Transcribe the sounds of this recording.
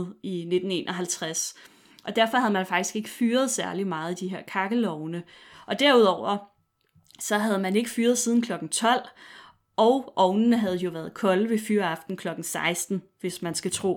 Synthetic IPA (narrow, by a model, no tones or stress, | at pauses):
ine̝d̥n̩e̝̰ːnʔɒ̽ɦælt͡sʰʁas | ʔɒ̽d̥æɐfɒhæð̞ˠmænfɑ̈ɡ̥d̥isɡ̥e̝ɡ̥əfyːɐð̞ˠsæɐlimɑ̈ːð̞̩ˠid̥iɦe̝ɐ̰kʰɑ̈ɡ̥əlɒʊnə | ʔɒ̽d̥æɐ̰uðˠɒʊ̰ɐ | sɒ̽ɦæð̞̩ˠmæne̝ɡ̥əfyːɐð̞̩ˠsiːð̞ˠn̩kʰlɒ̽ɡ̥n̩t͡sʰɒ̽l̰ | ʔɒʊʔɒ̽ʊnnəɦæð̞̩ˠjo̝ʋæɐð̞ˠkʰɒ̽ləʋe̝fyːɐɑfd̥n̩kʰlɒ̽ɡ̥n̩sɑ̈ɪsd̥n̩ʋe̝smænsɡ̥æt͡sʰʁo̝̰ː